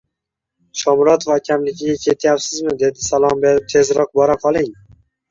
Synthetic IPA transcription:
ʃʰɒmɾɒt̪ʰofakʲʰamlɪkʲʰɪɡʲakʲʰe̞t̪ʰjapsɪzmɪd̪e̞d̪ɪsalˠɒmbeɾɪp̚t̪ʰe̞zɾɒq̚bɒɾaqʰɒlˠɪŋ

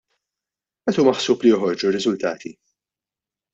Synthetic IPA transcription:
ʔɛt̪uːmɐħsuːplijɔħɔɾd͡ʒurɪzʊlt̪ɐ̰ːt̪ʰi

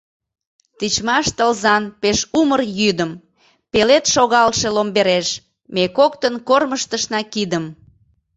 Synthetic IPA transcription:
t̪it͡ɕmɑʃt̪əlzɑnpeʃumərjyd̪əm | pelet̪ʃoɣɑlʃelombeɾeʃ | mekokt̪ənkorməʃt̪əʃnɑkid̪əm

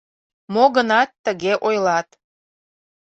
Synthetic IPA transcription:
moɣənɑt̪ːəɣeʔojlɑt̪

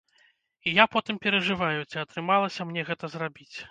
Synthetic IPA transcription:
ijapɔt̪ɨmpʲɛɾɐʐɨvajut͡sʲiɐt̪ɾɨmalˠɐsʲɐmnʲɛɣɛt̪ɐzrabʲit͡sʲ

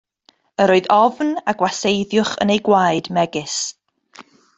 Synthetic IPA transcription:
əɾoːɨðɔvnaɡwasejðjʊχə̰nejɡwajdmɛɡɪs

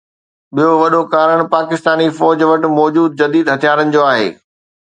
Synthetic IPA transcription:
ɓijoʋɐɗokaːɾəɽ̃paːkɪst̪aːnifɔːd͡ʑʋɐʈ̆mɔːd͡ʑuːd̪̚d͡ʑɐd̪iːd̪ɦɐt̪ʰijaːɾənɪ̆d͡ʑoːaːɦḛː

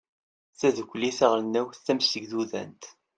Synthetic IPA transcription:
θæðəkʷːliθəʁlnːæwθθæmsəɡðuðæ̰nt̪

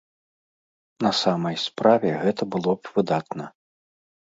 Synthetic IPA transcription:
nɐsamɐjspɾavʲɛɣɛt̪ɐbɨlˠɔpvɨd̪at̪nɐ

